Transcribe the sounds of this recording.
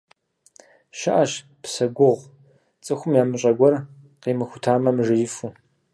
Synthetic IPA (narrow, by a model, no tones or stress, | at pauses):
ʃɐʔaɕ | psɐɡʷʊʁʷ | t͡sʼɨxʷʊmjaːmɨɕʼɐɡʷɔr | qeːmɨxʷʊtʰaːmɐmʐɨjɪfu